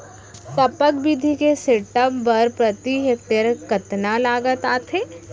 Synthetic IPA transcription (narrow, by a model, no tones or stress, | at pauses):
t̪ɐpək̚bid̪ʱikeseːʈəpːɐɾpɾət̪iɦet̪jəɾkɐt̪nalaːɡət̪aːt̪ʰeː